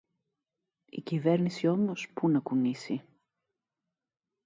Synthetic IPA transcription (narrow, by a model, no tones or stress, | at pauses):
ḭcive̞ɾnisio̞mo̞spunɐkunisi